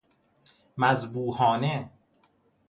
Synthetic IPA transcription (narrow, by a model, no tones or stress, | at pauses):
mæzbuːhɒːne